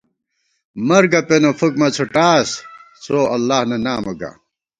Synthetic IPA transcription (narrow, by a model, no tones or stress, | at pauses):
mɐɾɡɐpenofukmɐt͡sʰoʈaːs | t͡sʰoːɐlːaːhnɐnaːmoɡa̰